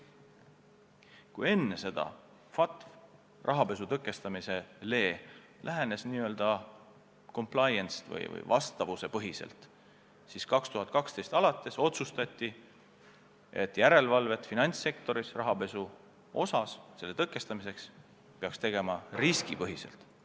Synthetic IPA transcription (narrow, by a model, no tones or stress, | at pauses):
kuje̞nːe̞se̞d̪̥ɑ̰ | fɑt̪f | rʔɑɦɑpe̞sut̪ɤkːˑe̞st̪ɑmise̞le̞ː | lʔæɦene̞sniːø̞ld̪̥ɑ | ko̞mpˑlɑjenst̪vɤ̰jvɤ̰jvɑ̰st̪ɑvuse̞pɤɦisḛlt̪ | siskɑkst̪uɦɑt̪̚kɑkst̪e̞jst̪ɑlɑt̪ːˑe̞so̞t̪sust̪ɑt̪ʲːˑi | e̞t̪ːˑjæɾe̞lvɑlve̞t̪finɑnʲsːe̞kt̪o̞ɾisrɑɦɑpe̞su | o̞sɑsse̞lːe̞t̪ɤkˑːe̞st̪ɑmise̞ks | peɑkst̪e̞ɡe̞mɑriskipɤɦise̞̰lt̪ˑ